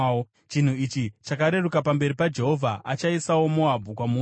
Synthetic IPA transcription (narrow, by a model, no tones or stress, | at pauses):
t͡ʃin̤uit͡ʃit͡ʃakaɾe̞rukapambe̞ɾipad͡ʒe̞ɦo̞vʱaʔat͡ʃaisawo̞muɦabʱukwamu